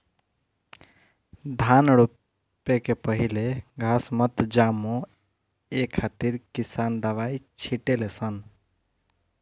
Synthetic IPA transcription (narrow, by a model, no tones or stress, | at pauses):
d̪ʱanɽu | pekepəɦileɡʱasmət̪d͡ʒamõ | ekʰːat̪iɾkisand̪əʋait͡ʃʰiʈelesən